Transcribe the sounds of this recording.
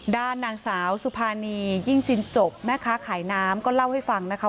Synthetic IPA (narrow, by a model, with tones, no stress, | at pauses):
daː˥˩nːaː˧˩ŋsaː˩˦wsu˧˦pʰaː˧niː˧jiː˥˩ŋt͡ɕi˧nt͡ɕo˨˩p̚mɛː˥˩kʰaː˦˥kʰaː˩˦jnaː˦˥mkɔː˥˩la˥˩wha˥˩jfa˧ŋna˦˥kʰa˦˥